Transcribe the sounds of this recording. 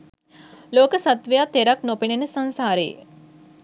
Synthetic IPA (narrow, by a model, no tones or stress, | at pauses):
loːkəsat̪ʋəjat̪eɾaknopinenəsansaːɾəjḛ